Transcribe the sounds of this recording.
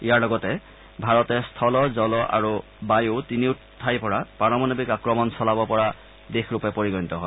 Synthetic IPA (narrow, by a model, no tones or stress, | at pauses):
ijaɹlɔɡɔtɛ | bʱaɹɔtɛstʰɔlɔzɔlɔʔa̰ɹu | bajotiniʊ | tʰːajpɔɹapanɔmanobikakɹɔmɔnsɔlabɔpɔɹa | dexɹupɛpoɹiɡɔnitɔɦɔ